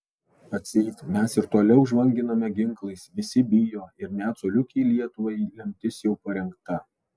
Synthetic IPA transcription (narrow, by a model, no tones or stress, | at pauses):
ɐt̪ʲsʲɛɪt̪ʲmʲɛsɪɾt̪oɔlʲɛʊʒʋɐŋʲɡʲɪnɐmʲɛɡʲɪŋklˠɐɪsʋʲɪsʲɪbʲɪjoːɪɾnʲæːt̪soːlʲʊkʲɛɪlʲiɛt̪ʊʋɐɪlʲɛmʲt̪ʲɪsjɛʊpɐɾʲɛŋkt̪ɐ